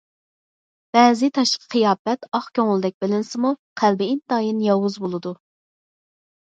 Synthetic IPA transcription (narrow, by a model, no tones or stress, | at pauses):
b̥ɛːzɪt̪ʰɑʃqʰə̥qʰijɑːpɛt̪ɑχkʲʰøŋɪlˠd̪ɛk̚ʲbɪlɪnsɪmuqʰælbɪint̪ɑːjinjɑwʊzbolˠɨd̪u